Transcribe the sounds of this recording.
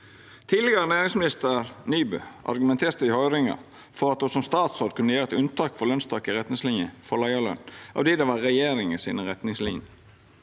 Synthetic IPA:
t̪ʰiːd̪lɛɡəɾənæːɾɪŋsmɪnɪst̪əɾnyːbø̰ʔɑ̰ɾɡʉmɛnt̪ʰeːɾt̪əɪhœʏɾɪŋɑ̰ | fɔɾɑt̪̚husɔmst̪ɑːt̪soːd̪kʰʉnəjæːɾɛt̪ʉnt̪ʰɑːkfɔɾlœnst̪ʰɑːkɪʁɛt̪nɪŋslɪnjə̰fɔlɑɪɑlœ̰nːɑ̰ʋd̪iːd̪ɛʋɑʁɛjeːɾɪŋəsḭːnəʁɛt̪nɪŋslɪ̰njə

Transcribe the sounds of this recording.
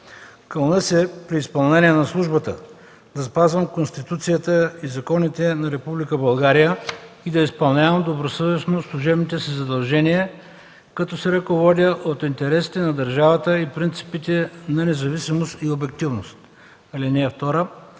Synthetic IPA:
kəlˠnəsɛpɾiːspɐlˠnɛniɛnɐslˠuʒbət̪ə̰ | d̪ɐspazvɐmkonst̪it̪ut̪sijət̪əizɐkɔnit̪ɛnɐɾɛpublikəbɐlˠɡaɾijə | id̪ɐispɐlˠnʲavɐmd̪obɾosɤvɛsnoslˠuʒɛbnit̪ɛsizɐd̪ɐlˠʒɛniə | kɐt̪ɔsɛɾɐkovɔd̪ʲəʔot̪int̪ɛɾɛsi̥t̪ɛnɐd̪ɐɾʒavət̪əipɾint̪si̥pit̪ɛnɐnɛzɐvisimost̪iobɛk̚t̪ivnost̪ | ɐlinɛːft̪ɔɾə

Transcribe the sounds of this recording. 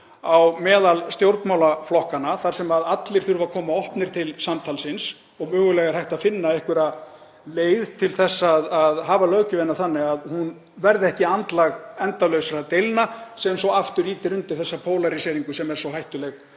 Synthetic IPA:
awmɛːðalst̪jowɾt̪mawlaflɔhkanaθaɾ̥sɛmaðat̪lɪɾ̥θʏɾvakʰɔːmaɔhpnɪɾ̥t̪ʰɪlsamt̪ʰalsɪns | ɔɣmœːɣʏlɛɣaɾ̥hajht̪aðfɪnːaɛhkvʏɾa | leːjðt̪ʰɪlθɛsːaːðaðɦavalœːɥcʏvɛnːaθanːɪɣaðhun | vɛɾðɪɛhcɪant̪laɣɛnt̪avlœɥsaɾat̪ejlnasɛmsɔaft̪ʏɾiːt̪ɪɾʏnt̪ɪθɛsːapʰoːwlaɾisɛːɾiŋkʏsɛmɛɾ̥sɔhajht̪ʏlɛɣ

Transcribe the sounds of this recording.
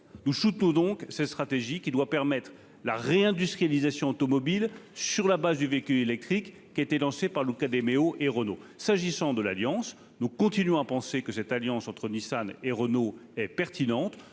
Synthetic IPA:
nusut̪nɔ̃d̪ɔ̃ksɛt̪st̪χat̪eʒikʲid̪wapɛʁmɛt̪χ | la̰ʁeɛ̃d̪yst̪χijalizasjɔ̃ot̪ɔmɔbilsyʁlabazd̪yvekʲyelɛk̚t̪χikːiaet̪elɑ̃sepaʁlukad̪emeoʔeʁənosaʒisɑ̃d̪əlaljɑ̃s | nukɔ̃t̪inɥɔ̃apɑ̃sekəsɛt̪aljɑ̃sɑ̃t̪χənisaneʁənoɛpɛʁt̪inɑ̃t̪

